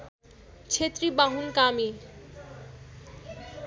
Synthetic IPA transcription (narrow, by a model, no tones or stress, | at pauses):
t͡ɕʰet̪ɾibaɦunkami